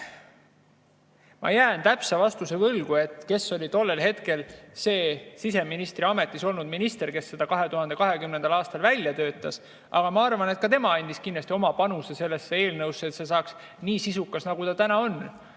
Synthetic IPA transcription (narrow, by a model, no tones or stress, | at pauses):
mʔɑ̰jæːnt̪æpsɑvɑst̪use̞vɤlɡ̥ue̞t̪ˑke̞sːo̞lʲit̪o̞lːe̞lɦe̞t̪ke̞lse̞ːsise̞minist̪riɑme̞t̪ːˑiso̞lnud̪̚minist̪e̞rke̞sːe̞d̪̥ɑkɑɦe̞t̪uhɑnd̪e̞kɑɦe̞kymnend̪ɑlɑːst̪ɑlvælʲjɑt̪ø̞ːt̪ːˑɑs | ʔɑ̰ɡ̥ɑmɑɑrvɑne̞t̪̚kɑt̪e̞mɑɑnʲd̪iskind̪ɑst̪io̞mɑpɑnuse̞se̞lːe̞sːee̞ːlnɤwsːet̪se̞sɑːks | niːsisukːˑɑsnɑɡud̪ɑt̪ænɑo̞n